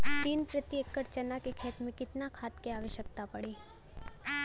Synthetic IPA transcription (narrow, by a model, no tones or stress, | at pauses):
t̪iːnpɾət̪jəkːəɾt͡ʃənakekʰeːt̪mẽkɪt̪nakʰaːt̪keaːʋəʃjək̚t̪apɐɽiː